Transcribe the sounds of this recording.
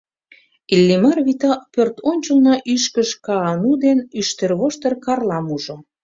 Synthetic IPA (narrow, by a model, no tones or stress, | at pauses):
ilʲːimɑrβit̪ɑpørt̪onʲt͡ɕəlnɑʔyʃkəʃkɑːnud̪enyʃt̪erβoʃt̪ərkɑrlɑmuʒo